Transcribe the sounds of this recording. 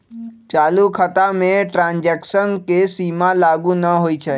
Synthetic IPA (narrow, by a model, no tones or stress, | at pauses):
t͡ʃaːlukʰət̪amẽʈɾãːnd͡ʒeksənkesiːmãlaːɡũnəɦoːit͡ʃʰe